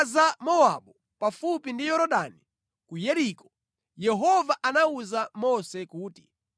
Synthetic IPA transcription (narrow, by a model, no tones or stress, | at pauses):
zamɔaɓɔ | pafupindijɔɾɔɗani | kujɛɾikɔ | jɛɦɔvaʔanauzamɔsɛkuːti̥